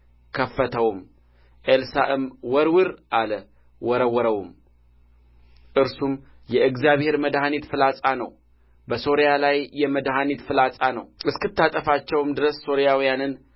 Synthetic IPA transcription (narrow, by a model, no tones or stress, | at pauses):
kʰəfːət̪ʰəwm | ʔelsaʔɨmwɔɾwɨɾʔalə | wɔɾəwɔɾəwum | ʔɨɾsum | jɛʔɨɡzjaβhe̞ɾməd̪hanet̪fɨlasʼanə̰w | bəso̞ɾijalajːɛməd̪ɦanet̪fɨlasʼanə̰wɨskɨt̪ːat̪ʼəfat͡ʃːɛwmd̪ɨɾəsːo̞ɾijawijanɨn